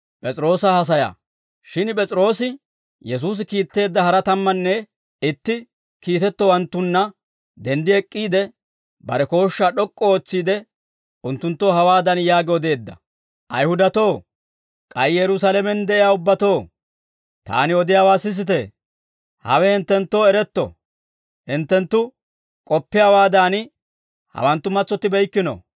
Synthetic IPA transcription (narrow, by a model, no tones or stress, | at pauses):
pʼɛt͡sʼɾo̞ːsɐhɐs̬ɐja̰ː | ʃɪnpʼɛt͡sʼɾo̞ːsɪ | jɛs̬uːs̬ɪkiːt̪ːe̞ːd̪ːɐhɐɾɐt̪ɐmːɐnːɛ | ɪt̪ːɪ | kiːt̪ɛt̪ːɔwɐnt̪ːʊnːɐ | d̪ɛnd̪ɪɛkʼːiːd̪ɛ | bɐ̰ɾɛko̞ːʃːaːɗɔkʼːɔoːt͡sːiːd̪ɛ | ʔʊnt̪ːʊnt̪ːoːhɐwaːd̪ɐnjaːɡɔd̪e̞ːd̪ːɐ̰ | ʔɐjhʊd̪ɐt̪oː | kʼɐjjɛɾʊsalɛmɛnd̪ɛʔɪjaːʊbːɐt̪o̞ː | t̪a̰ːnɪɔd̪ɪjaːwaːsɪs̬ɪt̪ɛ | hɐ̰wɛhɪnt̪ːɛnt̪ːo̞ːɛɾɛt̪ːɔ̰ | hɪnt̪ːɛnt̪ːʊ | kʼɔpːɪjaːwaːd̪an | hɐ̰wɐnt̪ːʊmɐt͡sːɔt̪ːɪbɛjkːɪno̰